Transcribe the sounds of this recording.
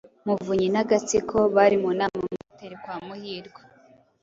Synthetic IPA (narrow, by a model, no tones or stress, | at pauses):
muvuɲinaɡat͡sikʰo̞βaɾimunaːmemuuteɾekwaːmuhiːɾɡwa